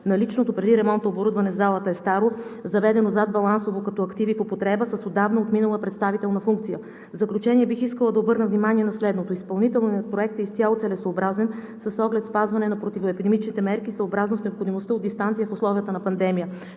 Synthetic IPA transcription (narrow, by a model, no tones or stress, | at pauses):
nɐlit͡ʃnot̪opɾɛd̪iɾɛmɔnt̪əoboɾud̪vɐnɛzalˠət̪əɛst̪aɾozɐvɛd̪ɛnozad̪̚bɐlˠansovokɐt̪ɔɐkt̪ivifopot̪ɾɛbəsəsod̪avnɐot̪minəlˠəpɾɛt̪st̪avit̪ɛlˠnɐfuŋk̚t̪sijə | vzɐklʲut͡ʃɛniɛbixiskəlˠəd̪ɐobɤɾnəvnimaniɛnɐslɛd̪not̪oispɐlˠnit̪ɛlˠniɐt̪pɾoɛk̚t̪əist̪ʲjalˠot̪sɛlɛsoːbɾazɛn | səsɔɡlɛt̪spazvɐnɛnɐpɾot̪ivoɛpid̪ɛmit͡ʃnit̪ɛmɛɾkisəobɾaznosnɛopxod̪imost̪əod̪ːist̪ant̪sijəfoslˠɔvijət̪ənɐpɐnd̪ɛmijə